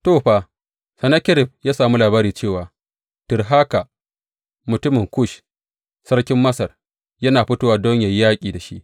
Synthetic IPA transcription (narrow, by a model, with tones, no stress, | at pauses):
toː˦˨ɸa˨ | sɐ˨nɐ˦kʲɪ˦ɾɪ˨ɸ̚jaː˦saː˨mu˦laː˨baː˦ɾiː˨t͡ʃeː˦˨waː˨ | tʊ˨rɦa˦ka˨ | mʊ˨tʊ˦mɪ˨ŋkʷʊ˦˨ʃ | sɐ˦ɽkʲɪ˦mːɐ˦sɐ˨r | jɐ˦naː˨ɸɪ˦toː˦wa˨dɔ˦ɲja˨jjaː˦kʲʼiː˨da˨ʃi˦ʔ